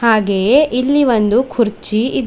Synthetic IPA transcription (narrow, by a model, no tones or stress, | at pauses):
haːɡejeʔilːiʋond̪ukʰuɾt͡ʃiid̪